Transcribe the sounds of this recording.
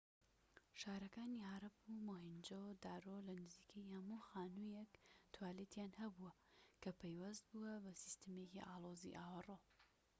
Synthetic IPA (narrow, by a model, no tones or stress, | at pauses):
ʃaːɾɐkaːniɦaɾɐpumoːɦind͡ʒod̪aːɾolɐnɨziːkʰɐjhɐmuxaːnujekt̪ʰwaːleːt̪jaːnhɐbuɐ | kʰɐpʰejwɐzt̪̚buwɐbɐsist̪ɨmecḭʔaːloːzḭʔaːwɐroː